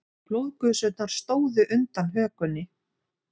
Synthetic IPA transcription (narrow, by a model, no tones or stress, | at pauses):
plowðkʏðsʏt̪̚naɾ̥st̪oːwðʏʔʏnt̪anɦœːkʏnːɪ